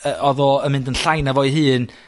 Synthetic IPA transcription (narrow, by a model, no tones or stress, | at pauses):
əʔɔðɔəmɪ̃ndənɬajnavɔɨɦɨːn